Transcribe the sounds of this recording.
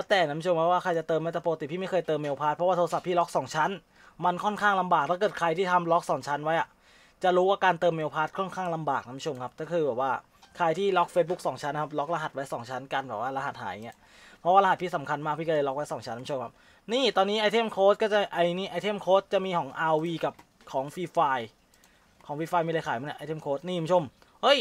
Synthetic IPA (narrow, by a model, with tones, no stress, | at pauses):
lɛ˦˥t̪ɛː˨˩n˦m˦˥t͡ɕʰo˧mkʰa˦˥p̚waː˥˩kʰa˧jt͡ɕa˨˩t̪ɤː˧ma˥˩t̪ʰa˧˩poː˧ka˧t̪i˨˩pʰiː˥˩ma˥˩jkʰɤː˧jt̪ɤː˧mːeː˧wpʰaː˦˥t̪̚ʰɾɔ˦waː˥˩o˧sa˨˩pʰːiː˥˩lɔ˦˥k̚sɔː˩˦ŋt͡ɕʰa˦˥n | ma˧nkʰɔ˥˩nkʰaː˥˩ŋla˧mbaː˨˩k̚t̪ʰaː˥˩kɤː˨˩t̪̚kʰa˧jt̪ʰiː˥˩t̪ʰa˧mlɔ˦˥k̚sɔː˩˦ŋt͡ɕʰa˦˥nwa˦˥jʔa˨˩ | t͡ɕa˨˩ɾuː˦˥waː˥˩kaː˧nt̪ɤː˧mːeː˧wpʰaː˦˥t̪̚kʰɔ˥˩nkʰaː˥˩ŋla˧mbaː˨˩k̚na˦˥ma˦˥t͡ɕʰo˧mkʰa˦˥t̪ʰaː˥˩kʰɯː˧bɛː˨˩p̚waː˥˩ | kʰa˧jt̪ʰiː˥˩lɔ˦˥k̚feː˦˥t̪̚u˦˥k̚sɔː˩˦ŋt͡ɕʰa˦˥nːa˧kʰa˦˥p̚lɔ˦˥k̚la˧ɦa˨˩t̪̚wa˦˥jsɔː˩˦ŋt͡ɕʰa˦˥nka˧nbɛː˨˩p̚waː˥˩la˧ɦa˨˩t̪̚ha̰ː˩˦ja˨˩ŋi˦˥ɐ | pʰɾɔ˦˥waː˥˩la˧ha˨˩t̪̚pʰi˦˥t̪̚sa˩˦mkʰa˧nmaː˥˩k̚ʰi˥˩˧ɤː˧lɔ˦˥k̚wa˦˥jsɔː˩˦ŋt͡ɕʰnːʰ˧˦o˧mkʰa˦˥p̚ | niː˥˩t̪ɔː˧nːiː˦˥ʔaː˧jt̪ʰe˥˩mkʰoː˦˥t̪̚kɔː˥˩t͡ɕa˨˩ʔa˧jniː˥˩ʔa˧t̪ʰe˥˩mkʰoː˦˥t̪̚t͡ɕa˨˩miː˧kʰɔː˩˦ŋʔaː˧wiː˧ka˨˩p̚ | kʰɔː˩˦ŋfiː˧faː˧j | kʰɔː˩˦ŋfiː˧faː˧jmiː˧la˧jkʰaː˨˩˦ma˧˦a˧˩ʔːt̪ʰe˥˩mkʰoː˦˥t̪̚niː˥˩˨u˨˩˦o˧m | hɤ˦˥˩j